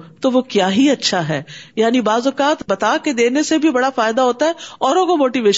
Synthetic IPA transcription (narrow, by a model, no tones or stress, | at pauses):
t̪oʋokjaːɦiɐtːʃʰaɦɛːjaːnibaːzʊkaːt̪bɐt̪aked̪eːnesebʱibɐɽafaːɪd̪aɦoːt̪aɦɛɔːɾõkomoːʈiʋeːʃ